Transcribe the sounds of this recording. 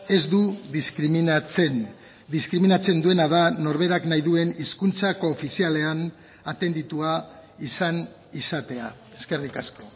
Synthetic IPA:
e̞zd̪uðiskɾimint͡sen | d̪iskɾiminat͡se̞nd̪ue̞naðano̞ɾβ̞eɾaknajðue̞niskunt͡sako̞ːfisiale̞an | at̪e̞nd̪it̪uaisan | isat̪e̞a | eske̞rikasko̞

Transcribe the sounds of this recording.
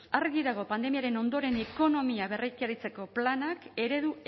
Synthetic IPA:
aɾɣiðaɣ̞o̞pand̪e̞miaɾe̞no̞nd̪o̞ɾe̞ne̞ko̞no̞miaβe̞rajkiaɾit͡se̞ko̞planake̞ɾe̞ðu

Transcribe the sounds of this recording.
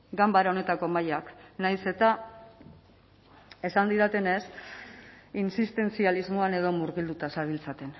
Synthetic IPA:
ɡambaɾao̞ne̞t̪ako̞maʎaknajse̞t̪a | e̞sand̪iɾat̪e̞ne̞s | insist̪e̞nt͡sializmoane̞ð̞o̞muɾɣild̪ut̪asaβilt͡sat̪e̞n

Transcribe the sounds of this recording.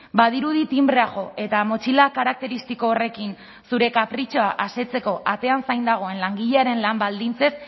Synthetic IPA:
baðiɾuð̞it̪imbɾeaɣo̞ʔe̞t̪amo̞t͡ʃilakaɾak̚t̪e̞ɾist̪iko̞ːre̞kin | suɾe̞kapɾit͡ʃo̞aʔaset͡se̞ko̞ʔat̪e̞ansajnd̪aɣ̞o̞e̞nlaŋɡiʎeaɾe̞nlambald̪int͡se̞s

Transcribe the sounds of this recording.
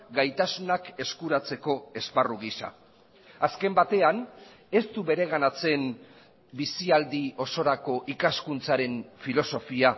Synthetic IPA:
ɡajt̪asunake̞skuɾat͡se̞ko̞e̞sparuɣisa̰ | aske̞mbat̪e̞an | e̞st̪uβe̞ɾe̞ɣanat͡se̞m | bisiald̪io̞so̞ɾako̞ʔikaskunt͡saɾe̞nfilo̞so̞fia

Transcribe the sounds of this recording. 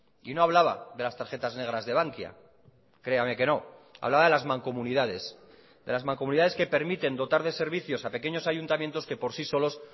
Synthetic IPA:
ino̞aβ̞laβa̰ðe̞last̪aɾxe̞t̪azne̞ɣ̞ɾazðe̞β̞aŋkja̰ | kɾe̞ame̞ke̞no̞a̰βlaβaðe̞lazmãŋko̞muniðað̞e̞s | ðe̞lazmãŋkomuniðaðe̞ske̞pe̞ɾmit̪e̞nd̪o̞t̪aɾðe̞se̞ɾβ̞iθjosape̞ke̞ɲo̞saʝunt̪amje̞nt̪o̞ske̞po̞ɾsiso̞lo̞s

